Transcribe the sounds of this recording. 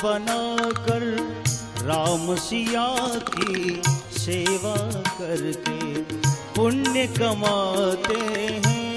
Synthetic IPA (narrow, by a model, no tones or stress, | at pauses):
ɐnaːkɐɾ | ɾaːmsijaːkiseːʋakɐɾke | pʊnːjəkɐmaːt̪eɦɛ̃ː